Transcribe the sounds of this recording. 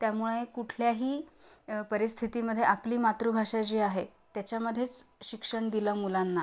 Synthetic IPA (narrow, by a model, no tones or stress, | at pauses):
t̪jamuɭekuʈʰljaɦiːpəɾist̪ʰit̪iːməd̪ʱːjeapliːmat̪ɾubʱaʂad͡ʑiːaɦet̪jat͡ɕjaməd̪ʱːjet͡sɕikʂəɳd̪iləmulanːa